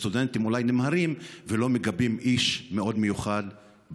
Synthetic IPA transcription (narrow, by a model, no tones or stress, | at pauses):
t̪ud̪ent̪imulajnemhaɾimvelo̞meɡabimʔiʃmeo̞d̪me̞juχad̪